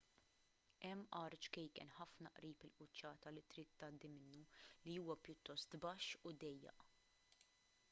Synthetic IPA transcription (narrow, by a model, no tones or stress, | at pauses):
ɛmːʔɐɾt͡ʃkɛjkɛ̰nħɐfnɐʔɾiːpɪlʔʊt͡ʃːɐːt̪ɐlɪt̪ɾiːt̪ːɐd̪ːɪmɪnːuliuːwɐpjʊt̪ːɔst̪bɐʃːʊd̪ɛjːɛ̰ʔ